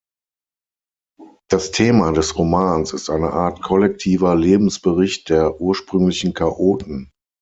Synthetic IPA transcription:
d̥astʰeːmadɛsʁomaːnsɪstʔaɪnəʔaːɐtkʰɔlɛk̚tʰiːvɐleːbm̩sb̥əʁɪçt̚d̥eːɐʔuːɐʃpʁ̥ʏŋlɪçn̩kʰaʔoːtn̩

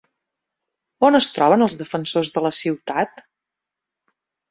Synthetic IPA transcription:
onəst̪ɾɔβənəlˠzðəfənsozðələsiwt̪at̪

